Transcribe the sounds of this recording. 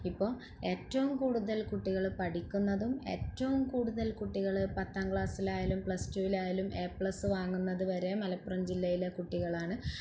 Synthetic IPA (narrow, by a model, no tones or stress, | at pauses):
ipːo̞ː | e̞ːtːɐʋumkuːɽuðɐlkuʈːiɣɐɭpɐʈʰikʲːunːɐðume̞ːtːɐʋumkuːɽuðɐlkuʈːiɣɐɭɨpɐt̪ːaːŋɡɭaːsilaːjɐlumpɭɐstuːilaːjɐlume̞ːpɭɐsɨʋaːŋːunːɐðɨʋɐɾe̞mɐlɐpːurɐmd͡ʑilːɐjilekuʈːiɣɐɭaːɳɨ